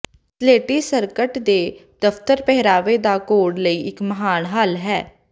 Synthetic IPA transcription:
sleːʈiːsəɾkəʈd̪eːd̪əpt̪əɾpɛɦɾaːʋeːd̪aːkoːɽləiːʔɪkməɦaːɳɦaːlɦɛː

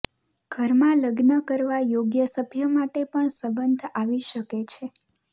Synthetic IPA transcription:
ɡ̥ʱəɾmãləɡnəkəɾʋajoɡjəsəbʱjəmaʈepəɳsəbənd̪ʱaʋiʃəket͡ʃʰe

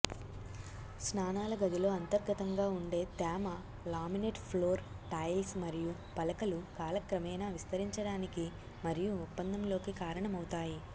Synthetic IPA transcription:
snaːnaːlɐɡɐd̪ilo̞ːɐnt̪ɐɾɡɐt̪ɐŋɡaːuɳɖe̞ːt̪aːmɐ | laːmineʈpʰloːɾʈɐːjlsmɐɾiju | pɐlɐkɐlukaːlɐkɾɐmɛːjnaːʋist̪ɐɾiɲt͡ʃɐɽaːniki | mɐɾijuːpːɐnd̪ʱɐmlo̞ːkikaːɾɐɳɐmɐwut̪aːji

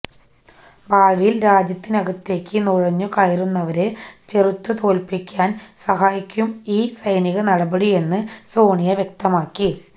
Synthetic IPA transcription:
baːʋijilɾaːd͡ʑjɐt̪ːinɐɣɐt̪ːe̞ːkʲːɨnuɻɐɲːukaːjirunːɐʋɐɾe̞t͡ɕe̞rut̪ːut̪o̞ːlpikʲːaːnsɐɦaːjikʲːumiːsɐjniɣɐnɐɽɐbɐɽie̞nːɨso̞ːɳijɐʋjek̚t̪ɐmaːkːi

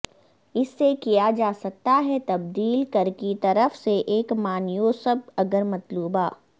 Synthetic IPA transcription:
ɪsːekijad͡ʒaːsɐk̚t̪aɦɛt̪ɐbd̪iːlkɐɾkit̪ɐɾəfseʔeːkmaːnjoːsəb̚ɐɡəɾmɐt̪luːbaː

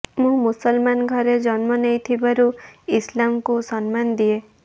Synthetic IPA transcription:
mũmusɔlmanɡʱɔɾed͡ʒɔnmɔnejt̪ʰibaɾuislamkusɔnmand̪ie

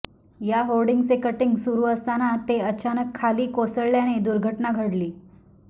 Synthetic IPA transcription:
jaɦolɖiŋɡt͡sekəʈiŋɡsuɾuːəst̪anat̪eət͡ɕanəkʰːaliːkosəɭljaned̪uɾɡʱəʈnaɡʱəɽliː

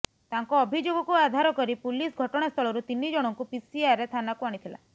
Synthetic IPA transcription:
t̪aŋkɔːbʱid͡ʒoɡɔkuad̪ʱaɾɔkɔɾipulisɡʱɔʈɔɽ̃ast̪ʰɔlɔɾut̪inːid͡ʒɔɽ̃ɔŋkupisiaɾet̪ʰanakuaɽit̪ʰila̰

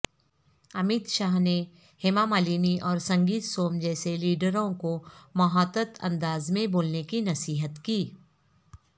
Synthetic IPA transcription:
ɐmɪt̪ʃaːɦne | hɪmaːmaːliːniʔɔːɾsɐ̃ŋɡiːt̪soːmd͡ʒɛːseliːɖəɾõkomɐɦaːt̪ət̪ɐ̰̃nd̪aːzmẽboːlnekinɐsiːɦət̪kiː

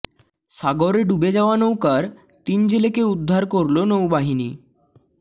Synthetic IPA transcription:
saɡoɾeɖubed͡zaʋanəwkaɾ | t̪iːnd͡ʑilekeud̪ʱːaɾkəɾlonəwbaɦinḭː

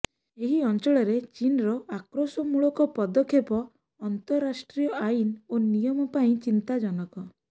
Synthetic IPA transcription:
eɦiɔnt͡ʃɔɭɔɾet͡ʃinɾɔakɾosɔmuɭɔkɔpɔd̪ɔkʰːepɔː | nt̪ɔɾasʈɾijɔajnonijɔmɔpaĩt͡ʃint̪ad͡ʒɔnɔkɔ

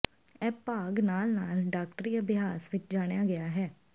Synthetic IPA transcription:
ɛːpaːɡnaːlnaːlɖaːk̚ʈɾiːəbɪɦaːsʋɪt͡ʃd͡ʒaːɽ̃ejaːɡɪjaːɦɛː

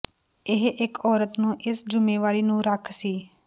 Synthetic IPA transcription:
ɪɦʔɪkɔːɾət̪nũːʔɪsd͡ʒʊmẽːʋaːɾiːnũːɾəkʰsiː

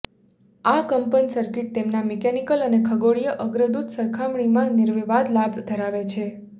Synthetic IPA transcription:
akəmpənisəɾkiʈ̚t̪emnamɛkɛnikələnekʰəɡoɭijəʔəɡɾəd̪ud̪səɾkʰamɳimãnɪɾʋeʋad̪labʱd̪ʱəɾaʋet͡ʃʰe

